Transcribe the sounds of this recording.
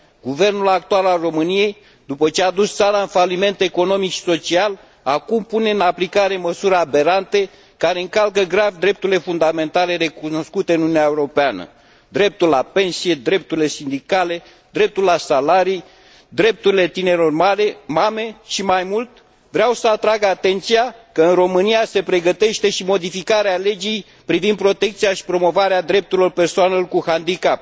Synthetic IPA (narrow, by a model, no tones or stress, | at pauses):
ɡ̥uve̞rnulak̚t̪ualalro̞mɨnije̞j | d̪upət͡ʃead̪ust̪saɾaɨnfalime̞nt̪e̞ko̞no̞mikʃi̥so̞t͡ʃial | akumpune̞ɨnaplikaɾe̞məsuɾabe̞ɾant̪e̞ | kaɾe̞ɨŋkalkəɡɾavd̪ɾe̞p̚t̪uɾile̞fund̪ame̞nt̪ale̞re̞kuno̞skut̪e̞ɨnununʲjaeuɾo̞peanə̰ | d̪ɾe̞p̚t̪ullape̞nsije̞d̪ɾe̞p̚t̪uɾile̞sind̪ikale̞ | d̪ɾe̞p̚t̪ulasalaɾij | d̪ɾe̞p̚t̪uɾile̞t̪ine̞ɾo̞rmalemame̞ʃimajmult̪ | vɾeawsəat̪ɾaɡəat̪e̞nt̪sijakəɨnro̞mɨnijase̞pɾe̞ɡət̪e̞ʃt̪e̞ʃimo̞d̪ifikaɾeale̞d͡ʒij | pɾivind̪̚pɾo̞t̪e̞k̚t̪sijaʃi̥pɾo̞mo̞vaɾead̪ɾe̞p̚t̪uɾilo̞rpe̞rsoanelorkuhand̪ikap̚